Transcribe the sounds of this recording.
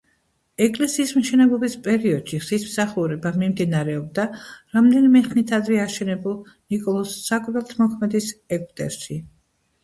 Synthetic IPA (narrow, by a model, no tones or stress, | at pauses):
ɛkʼlɛsiːsmʃɛnɛlˠɔbispʼɛɾiɔd̪̥ʃiʁsismsaχuɾɛbamimd̪inaɾɛɔb̚d̪aɾamd̪ɛnimɛχnit̪ʰad̪ɾɛaʃɛnɛbulˠ | nikʼɔlˠɔsːakʼɾvɛlˠt̪ʰmɔkʰmɛd̪isɛkʼut̪ʼɛ̰ɾʃi